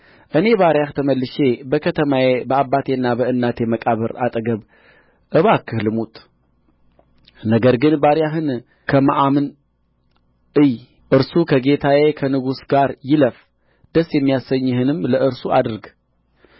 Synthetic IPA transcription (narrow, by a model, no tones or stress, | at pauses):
ʔɨne̞βaɾjaht̪ʰəməlːɨʃe̞bəkʰət̪ʰəmajebəabːat̪ʰe̞ɨnːabəɨnːat̪ʰe̞məkʼaβəɾa̰t̪ʼɡəβ | ʔɨβakʰːɨhlɨmut̪ʼ | nəɡəɾɡɨnbaɾjaɦɨn | kʰəma̰ʔamɨn | ʔɨj | ʔɨɾsukʰəɡe̞t̪ʰajekʰənɨɡusɡaɾjɪləf | d̪̥əsjɛmːijasəɲːhɨnɨmləʔɨɾsuʔa̰d̪ɨɾɡ